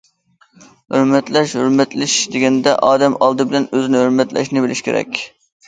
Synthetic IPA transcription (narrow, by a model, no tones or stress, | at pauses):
høɾmɛt̪lɛʃhøɾmɛt̪lɪʃd̪eɡʲɛnd̪ɛʔɑːd̪ɛmɑlˠd̪ɨbɪlɛnøzɪnɪhøɾmɛt̪lɛ̰ʃnɪbɪlɪʃkʲʰḛɾɛ̰kʲ